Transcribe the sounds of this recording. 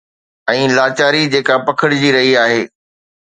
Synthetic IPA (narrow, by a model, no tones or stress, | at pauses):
ɛ̃ːlaːt͡ɕaːɾid͡ʑeːkapɐkʰəɽd͡ʑiːɾɐɦiaːɦeː